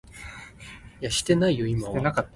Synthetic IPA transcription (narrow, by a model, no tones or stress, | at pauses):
jaɕi̥t̪e̞naijo̞imaenakaː